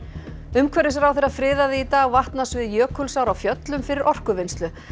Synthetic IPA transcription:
ʏmkʰvɛɾɪsɛɾawθɛɾaðfɾɪːðaðɪit̪aːɣvaht̪nasvɪðjœːkʰʏlsawɾawfjœt̪lʏmfɪɾɪɾʔɔr̥kʏvɪnst̪lʏ

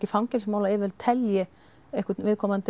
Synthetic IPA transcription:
cɪfawmcɛnsmaːwlaɪːvɛlt̪ʰɛljɪ | ehkʏvɪðkʰɔːmant̪

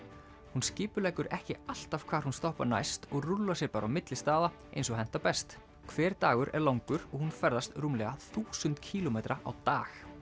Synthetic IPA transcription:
hunscɪːpʏɾlɛːjkʏɾɛhcɪal̥t̪av̥kʰvaːɾ̥hunst̪ɔhpana̰jst̪ɔɣrulːasjɛɾpaːɾawmɪt̪lɪst̪aːða | ḛjnsɔɦɛn̥t̪apɛst̪ | kʰvɛːɾ̥t̪aːɣʏɾʔɛ̰ɾlawŋkʏɾɔɣhunfɛɾðast̪rumlɛɣaθuːsʏnt̪cʰiːlɔmeːjt̪ɾaʔa̰wt̪aːx

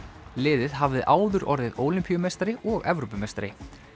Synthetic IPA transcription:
lɪːðɪðɦavðɪʔaːwðʏɾʔɔɾðɪðoːwlimpiʏmejst̪aɾɪʔɔɣɛvɾopʏmejst̪aɾɪ̰

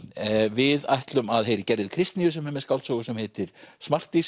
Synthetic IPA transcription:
vɪða̰jht̪lʏmaðhejɾɪcɛɾðɪkʰɾɪst̪nijʏsɛmhɛmːɛ̥skawlt̪sowɣʏsɛmhɛːt̪ɪɾ̥smar̥t̪is

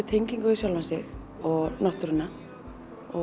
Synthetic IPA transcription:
ɪt̪ʰejɲciŋkœisjɔlvansɪ | ɔɣnɔht̪ʏɾʏna | ɔ

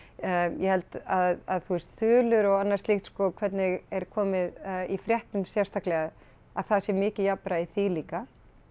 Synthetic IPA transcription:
jɛhɛlt̪aðaðθuɛst̪θʏːlʏɾɔɣanːaɾ̥st̪lixt̪skɔkʰvɛt̪nɪɣɛɾ̥kʰɔːmɪðifɾjɛht̪nʏmsjɛɾ̥st̪aklɛɣað | aðθaðsjɛɾmɪːcɪjapɾaiθiliːka

